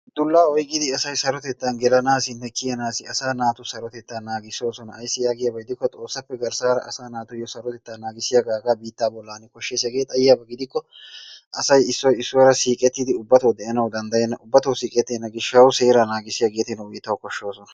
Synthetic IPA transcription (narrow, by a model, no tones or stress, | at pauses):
d̪̥ʊlːaːɔjkʼːɪd̪ɪɐsɐjsɐɾɔt̪ɛt̪ːanɡɛlɐnaːsɪnːɛkɪjɐnaːsɪɐsaːnaːt̪ʊsɐɾɔt̪ɛt̪ːaːnːaːɡɪso̞ːsɔnɐɐjsːɪjaːɡɪjaːbɐɡɪd̪ɪkːɔt̪ʼo̞ːsːɐpːɛɡɐɾsaːɾɐ̰ʔɐsaːnaːt̪ʊjɔsɐɾɔt̪ɛt̪ːaːnaːɡɪsɪjaɡaːɡaːbiːt̪ːaːbɔlːaːnɪkɔʃːeːsjɐɡeːt̪ʼɐjɪjaːbɐɡɪd̪ɪkːɔ | ʔɐsɐjɪsːɔjɪsːɔwɾɐsiːkʼɛt̪ːɪd̪ɪʊbːɐt̪ɐwd̪ɛʔɐnɐwd̪ɐnd̪ɐjɛnːɐʔʊbːɐt̪ɐwsiːkʼɛt̪ːɪnːɐɡɪʃːɐwʊse̞ːɾɐnaːɡɪsɪjaɡe̞ːt̪ɪnɐwʊjɪt̪ːɐwkɔʃːo̞ːsɔnɐ̥